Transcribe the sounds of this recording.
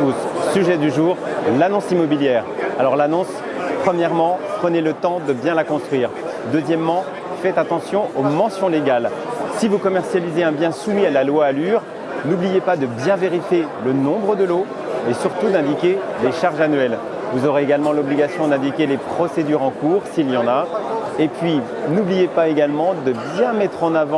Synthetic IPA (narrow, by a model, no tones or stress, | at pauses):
syʒɛd̪yʒuːʁlanɔ̃simɔbiljɛʁalɔʁlanɔ̃s | pχəmjɛʁmɑ̃pχənelət̪ɑ̃d̪əbjɛ̃lakɔ̃st̪χɥiːʁ | d̪øzjɛmːɑ̃ | fɛt̪at̪ɑ̃sjɔ̃ʔomɑ̃sjɔ̃leɡal | sivukɔmɛʁsjalizeɛ̃bjɛ̃sumialalwaːlyʁ | nublijepad̪əbjɛ̃veʁifjelənɔ̃bʁəd̪əlo | esyʁt̪ud̪ɛ̃d̪ikʲeleʃaʁʒanɥɛl | vuzɔʁeeɡalmɑ̃lɔbliɡasjɔ̃d̪ɛ̃d̪ikʲelepχɔsed̪yʁɑ̃kuːʁsiljɑ̃naepɥi | nublijepaeɡalmɑ̃d̪əbjɛ̃mɛt̪χɑ̃navɑ̃